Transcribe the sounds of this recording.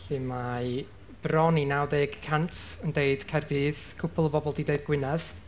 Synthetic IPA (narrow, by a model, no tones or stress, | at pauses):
ɬɨma | b̥rɔninawdeːɡkʰantəndeɨd̥kʰɛrdiːðkʰʊpʰʊlˠəbɔbɔlˠdideɨd̚ɡ̥wɪnɛð